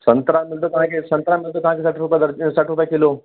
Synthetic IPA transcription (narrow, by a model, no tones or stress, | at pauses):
sənt̪ɾamilʈ̪ok̪ɐɦãkesɐ̃nt̪ɾamilʈ̪ok̪ɐɦãkesaʈɾupjad̪əɾsaʈɾupjakelo